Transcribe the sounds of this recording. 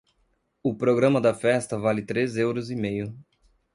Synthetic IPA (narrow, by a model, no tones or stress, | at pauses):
ʊpɾoɡɾɐ̃mɐd̪ɐfɛst̪ɐvalɪt̪ɾezewɾʊzimejʊ